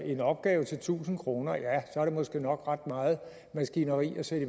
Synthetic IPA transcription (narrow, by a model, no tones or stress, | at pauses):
e̝nɒ̽b̥̚ɡ̥ɛːʊt͡sʰe̝lt͡sʰṵːsn̩kʰʁo̝ːnɐjæsɒæɐɾ̥e̝mɒ̽sɡ̥e̝̰ːnɒ̽ɡ̥ʁɑd̥mɑ̈ːð̩ˠ | mæsɡ̥inɐʁḭːɒsed̥ə